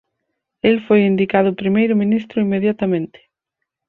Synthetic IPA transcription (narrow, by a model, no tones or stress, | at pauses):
elfojind̪ikað̞ʊpɾimejɾʊmĩnist̪ɾʊimeðjat̪amẽnt̪ɪ̥